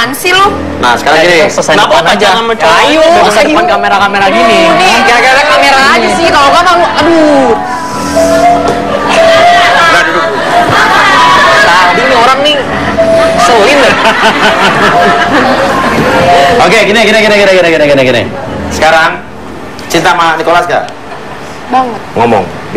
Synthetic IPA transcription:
ansilʊ | na̰sə̥kaɾaŋɡinisəsanaanad͡ʒaŋanmət͡ʃuajuasadəpankameɾakameɾaɡiniikaakaɾakameɾad͡ʒasikalokapalado | ɡandʊk̚ | t̪adinioɾaŋnɪ | solinə | okeɡinɛɡinɛɡinɛɡinɛɡinɛɡinɛɡinɛɡinɛ̰sə̥kaɾaŋ | t͡ʃint̪amanikolasɡa̰ | baŋət̪ŋomɔ̰ŋ

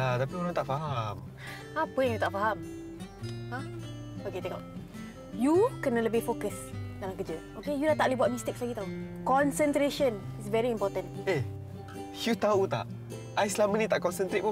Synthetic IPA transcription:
at̪apioɾaŋt̪aʔfaɦam | apəjãŋjut̪aʔfaɦam | hã | oket̪ɛka̰ʔ | jukɛnələbifokəsdalamkəd͡ʒə | okejunat̪aʔlibuat̚mist̪ɪkslaɡit̪au | kɔ̃nsənt̪ɾeʃə̃nisvɛɹiimpɔt̪ə̃ne | jut̪aut̪a̰ʔ | ajslamənit̪aʔkɔnsənt̪ɾet̪̚pu

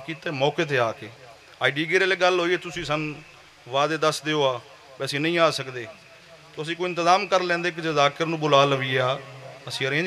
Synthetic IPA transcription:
kiːt̪aeːmɔːkeːt̪̬ʰeːaːkeː | aːiɖiːɡiːɾeːleːɡəlɦoːieːt̪ʊsĩːsən | ʋaːd̪eːd̪əsd̪eːoːaː | bɛːəsĩːnə̃ĩːaːsəkd̪eː | t̪oːəs̬ĩːkoːiɪnt̪əɪzaːmkəɾlɛ̃ːnd̪eːk̬ɪd͡ʒeːzaːkəɾnũːbʊlaːləʋiːaːəsĩːəɾẽː

